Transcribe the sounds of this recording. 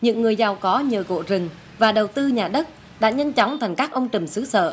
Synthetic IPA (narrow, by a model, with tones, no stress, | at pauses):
ɲɨ̰˧˥ŋːɨ˨˩əjza˨˩wkɔ˨˦ɲəː˨˩ko̰˧˨zɨ˨˩ŋ | vaː˨˩ɗə˨˩wt̪ɨ˧ɲaː˨˩ɗə˦˥t̚ | ɗa̰ː˧˥ɲə˧nt͡ɕɔ˨˦wŋ͡mt̪ʰa˨˩jŋ̟kaː˦˥k̚ʔə˧wŋ͡mt͡ɕɨ˨˩msɨ˨˦sə̰ː˧˨